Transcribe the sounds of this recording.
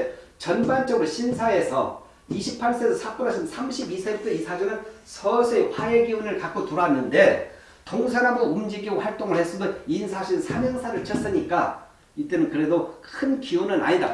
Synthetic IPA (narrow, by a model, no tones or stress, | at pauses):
t͡ɕʌnbant͡ɕ͈ʌɡɯɾoɕʰinsʰae̞sʰʌ | iɕʰipʰaɭs͈esʰʌsʰak͈unasʰinnsʰamɕʰibisʰens͈eisʰad͡ʑunɯnsʰʌsʰeɸwaeɡiunɯɭkak͈otuɾanːɯnde̞ | toŋsʰanaboumd͡ʑiɡiɡoɸwaɭt͈oŋɯɭhe̞s͈ɯmjʌninsʰaɕʰiɾɯnsʰamjʌŋsʰaɾɯɭt͡ɕʌs͈ɯɲik͈a | it͈e̞nɯnkɯɾe̞dokʰɯnkiunɯna̰ɲida̰